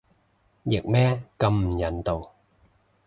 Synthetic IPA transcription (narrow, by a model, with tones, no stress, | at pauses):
jɪ˨˩k̚mɛː˦˥kɐ˧mm̩˨˩jɐ˨˥nt̪o˨w